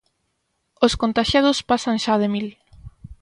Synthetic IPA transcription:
oskont̪aʃjað̞ʊspasanʃaðemil

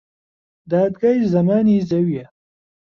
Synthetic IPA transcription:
d̪ɑːd̪ɡaːizɐmaːnizɐwja

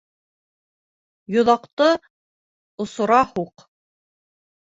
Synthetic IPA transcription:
jŏðɑqt̪ɤ | ŏsŏɾɑhuq

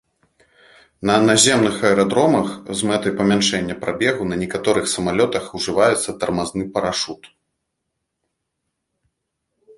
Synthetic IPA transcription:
nɐnazʲɛmnɨxɐɛɾad̪ɾɔmɐxzmɛt̪ɐjpɐmʲanʂɛnʲːɐpɾʔabʲɛɣunɐnʲɛkat̪ɔɾɨxsɐmalʲɔt̪ɐxuʐɨvajɛt̪sːɐt̪ɐrmaznɨpɐɾaʂut̪

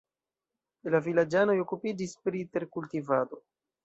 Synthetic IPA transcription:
lavilad͡ʒano̞jo̞kupid͡ʒispɾite̞ɾkultivado̞

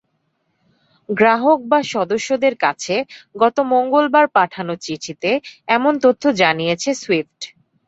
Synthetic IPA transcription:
ɡɾaɦok̚baʃɔd̪oʃːod̪eɾkat͡ɕʰeɡɔt̪omoŋɡolbaɾpaʈʰanot͡ɕiʈʰit̪eɛmont̪ot̪ʰːod͡ʑanijet͡ɕʰesuwifʈ

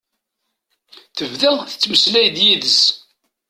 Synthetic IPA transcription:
θəvðæθə̥t͡sːməslæjd̪jiðəs

